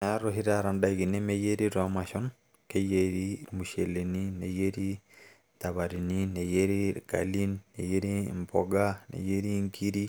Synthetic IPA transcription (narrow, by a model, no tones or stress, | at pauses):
naɾoɦiɾaɾandaiɣinemejeɾiɾamaʃon | kejeɾimuʃeleninejeɾi | taβaɾininejeɾiɾka̰linːḛjeɾimboɡanḛjeɾiŋkʰiɾi